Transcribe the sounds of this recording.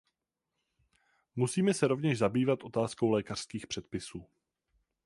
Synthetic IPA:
musiːmɛsɛɾo̞vɲɛʃzabiːvat̪ʔo̞t̪aːsko̞wlɛːkar̥skiːxpr̝̥ɛt̪̚pɪsuː

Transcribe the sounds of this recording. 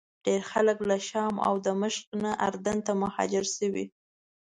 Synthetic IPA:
ɖ̥eɾxaləklaʃɑma̰wd̪əməʃqnaʔa̰ɾd̪ant̪amahɑ̰d͡ʒɪɾsəwḭ

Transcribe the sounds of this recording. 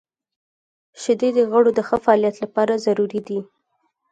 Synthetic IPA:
ʃɪd̪ed̪əɣəɽod̪əxəfaɑːljat̪lapɑɾazaɾuɾid̪i

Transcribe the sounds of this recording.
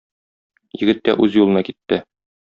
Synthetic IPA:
jɘ̆ɡɘ̆t̪ːæ̰ʔʉzjulˠɤ̆nɑkit̪ːɘ

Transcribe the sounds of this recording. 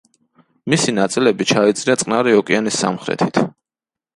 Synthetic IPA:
misinat̪sʼilɛbit͡ʃʰait̪sʼɾiat̪sʼqʼnaɾiɔkʼianisːa̰mχɾɛ̰t̪ʰi̥t̪ʰ

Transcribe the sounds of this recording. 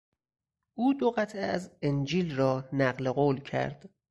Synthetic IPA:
ʔuːd̪oɣæt̪ʰʔeæzend͡ʒiːlrɒːnæɢle̞ɣoːlcʰæ̰ɾd̪̥

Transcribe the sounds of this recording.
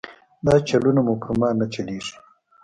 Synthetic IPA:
d̪ɑːt͡ʃalunamupəɾmaːnat͡ʃaliʂi̥

